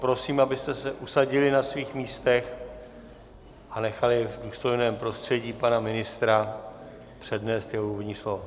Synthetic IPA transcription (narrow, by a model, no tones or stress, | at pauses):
pɾo̞siːmabɪst̪ɛsɛʔusaɟɪlɪnasviːxmiːst̪ɛx | ʔanɛxalɪvduːst̪o̞jnɛːmpɾo̞st̪r̝̥ɛɟiːpanamɪnɪst̪ɾa | pr̝̥ɛdnɛːst̪jɛɦouːvodɲiːslova